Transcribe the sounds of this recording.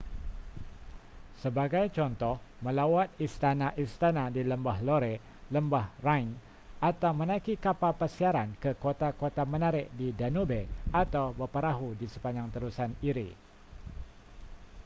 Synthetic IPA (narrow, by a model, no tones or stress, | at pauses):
səbaɡajt͡ʃɔnt̪ɔhmə̃lawat̪̚ist̪anaʔist̪anadiləmbahloɾe | ləmbahrajn | at̪awmənaikikapapərsiaɾankəkot̪akot̪amənaɾɪʔdidanubeat̪awbərpəɾaɦudisə̥paɲd͡ʒaŋt̪əɾusaniɾḭ